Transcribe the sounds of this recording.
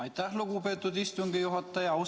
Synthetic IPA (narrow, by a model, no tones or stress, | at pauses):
ɑjt̪ːæhluɡupe̞ːt̪ːˑud̪ist̪uŋɡijuɦɑt̪ːˑɑjɑɑw